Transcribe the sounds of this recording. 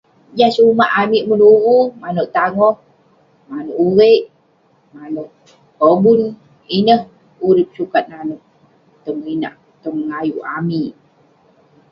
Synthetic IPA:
d͡ʒasumaʔamiʔmənuɣumanoʔt̪aŋoh | manoʔuɣeʔ | manoh | hobun | inəh | uɾip̚sukat̪̚nanoʔ | t̪omina̰ʔ | t̪ɔmŋajuʔamiʔ

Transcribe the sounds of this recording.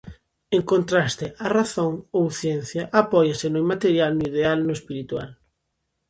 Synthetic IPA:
eŋkõnt̪ɾast̪ɪʔaraθõŋowθjɛn̟θjaʔapɔjasɪnomat̪eɾjalnʊiðealnʊespiɾit̪wa̰l

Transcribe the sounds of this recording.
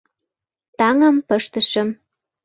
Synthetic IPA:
t̪ɑŋə̆mpəʃt̪ə̆ʃə̆m

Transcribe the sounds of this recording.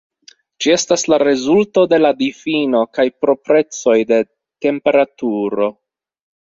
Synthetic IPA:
d͡ʒie̞staslaɾe̞zulto̞de̞ladifino̞kajpɾo̞pɾe̞t͡so̞jde̞ | te̞mpe̞ɾatuɾo̞

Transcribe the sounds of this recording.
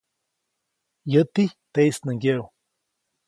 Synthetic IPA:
jət̪it̪ejsnəŋɡew

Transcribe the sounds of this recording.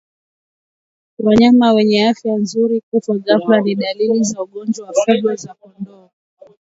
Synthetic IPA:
waɲamawɛɲɛafjanzuɾikufwazafulaniɗalilizauɠɔnd͡ʒwawafuɡazakɔndɔa

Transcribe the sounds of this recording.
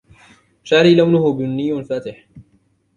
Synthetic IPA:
ʃaːɾiːlawnʊhʊbʊnːɪjːʊfaːt̪ɪħ

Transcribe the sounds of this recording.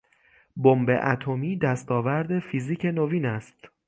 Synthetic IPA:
bombe̞̰ʔæ̰t̪ʰomiːd̪æst̪ɒːvæɾd̪e̞fiziːcʰe̞noviːnæst̪

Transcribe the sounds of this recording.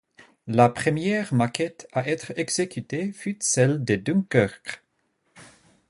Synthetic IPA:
lapχəmjɛʁmakɛt̪aʔɛt̪χɛɡzekyt̪efyt̪sɛld̪əd̪uŋkœʁk

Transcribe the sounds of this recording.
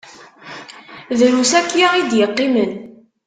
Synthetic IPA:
ðɾusækːjaid̪jəqːimən

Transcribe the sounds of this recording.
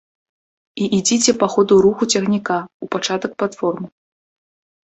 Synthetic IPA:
iʔid͡zʲit͡sʲɛpaxɔd̪uɾuxut͡sʲɐɣnʲikaupat͡ʂat̪ɐk̚plˠat̪fɔrmɨ

